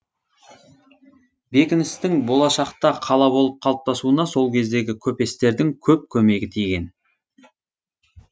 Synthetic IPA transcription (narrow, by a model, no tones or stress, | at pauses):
be̞kʲɪnɪst̪ɪŋbo̞lˠɑʃɑqt̪ɑqʰɑlˠɑbo̞lˠəp̚qʰɑlˠəp̚t̪ɑsuənɑso̞lˠkʲʰe̞zd̪e̞ɡʲɪkʲʰɵpe̞st̪e̞ɾd̪ɪŋkʲʰɵp̚kʲʰɵme̞ɡʲɪt̪ʰijɡʲe̞n